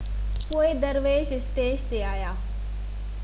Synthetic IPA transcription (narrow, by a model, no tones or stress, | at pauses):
poːed̪ɐɾʋeːʃɪst̪eːʃt̪eaːjaː